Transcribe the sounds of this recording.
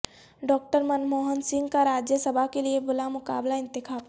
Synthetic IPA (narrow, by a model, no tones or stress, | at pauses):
ɖɔːk̚ʈəɾmənmoːɦənsɪ̃ŋɡkaɾaːd͡ʒjəsəbʱakeliebʊlamʊka̰ːblaɪ̃nt̪ɪkʰaː